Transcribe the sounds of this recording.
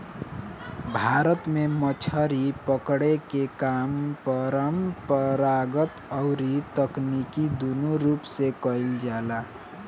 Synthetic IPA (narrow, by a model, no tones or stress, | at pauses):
bʱaɾət̪memət͡ʃʰəɾipəkɽekekampəɾəmpəɾaɡət̪əʊɾit̪əknikid̪unuɾupsekəild͡ʒala